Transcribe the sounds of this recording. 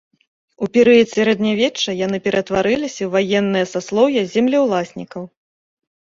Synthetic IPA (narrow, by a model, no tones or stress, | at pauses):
upʲɛɾɨjɐt̪sʲɛɾɛd̪nʲavʲɛt͡ʂːɐjanɨpʲɛɾɐt̪vaɾɨlʲisʲɐwvajɛnːɨjɐsaslˠɔwjɐzʲɛmlʲiwlˠasʲnʲikɐw